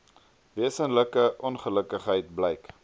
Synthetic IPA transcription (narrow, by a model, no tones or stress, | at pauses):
veəsənləkəʔɔnχələkəχɦəjt̚bləjk